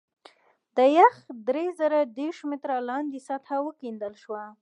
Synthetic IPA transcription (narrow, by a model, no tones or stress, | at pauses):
d̪əjaxd̪ɾezəɾad̪eɾʃmɪt̪ɾalɑnd̪isat̪ʰawəkind̪əlʃwa